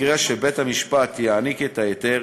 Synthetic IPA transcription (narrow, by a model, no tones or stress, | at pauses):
ʁeʃebet̪hamiʃpat̪jaaniket̪ajet̪e